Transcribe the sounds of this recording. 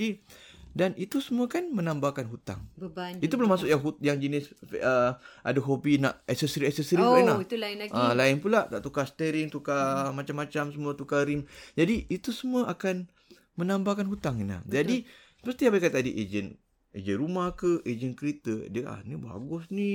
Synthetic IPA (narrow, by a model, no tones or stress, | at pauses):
idanit̪usəmuəkanmənambakanɦut̪a̰ŋbəbanit̪upəlamasʊkjaŋɦujaŋd͡ʒənɪsfəʔa̰daɦobina̰ʔɛsəsɾiɛsəsɾiainat̪ulaɪnaəlaɪnpulaʔt̪aʔt̪ukast̪əɾɪŋt̪ukamat͡ʃamːat͡ʃamsəmũat̪ukaɾimd͡ʒadiit̪usəmuəʔakan | mənambakanɦut̪aŋina̰hd͡ʒadisə̥pəst̪ijabaijkat̪adiʔed͡ʒən | ḛd͡ʒənrumahkəʔed͡ʒənkəɾit̪ədəa̰niba̰ɡʊsni